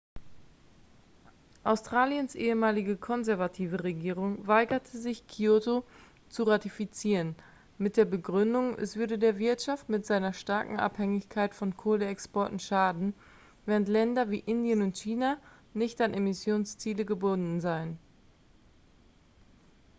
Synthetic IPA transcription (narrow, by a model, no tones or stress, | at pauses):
ʔaʊstʁ̥aːljənsʔeːəmaːlɪɡəkʰɔnzɛɐvatʰiːvəʁeɡiːʁ̞ʊŋvaɪɡɐtʰəzɪçkʰioto | t͡suʁatifit͡siːʁən | mɪt̚d̥eːɐbəɡʁʏndʊŋʔɛ̰sv̥ʏɐdədeːɐvɪɐtʃaftmɪtz̥aɪnɐʃtaɐkŋ̩ʔa̰phɛŋɪçkʰaɪtfɔnkʰoːləɛkspɔɐtn̩ʃaːdn̩ | vɛːʁəntlɛndɐvḭːʔɪndjənʊntçiːna | nɪçtanʔemɪsjoːnst͡siːləɡəbʊndn̩zaɪən